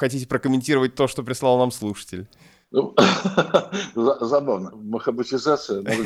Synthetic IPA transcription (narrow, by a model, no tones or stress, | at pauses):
xɐtʲitʲɪpɾəkəmʲɪnʲtʲiɾəvət̚ʲt̪o̞ʂt̪opɾʲɪslˠalˠnamslˠuʂɨ̥tʲɪ̰lʲ | nu | zɐzɐbavnəməxəbɨtʲɪzat̪sɨjəmoʐɨ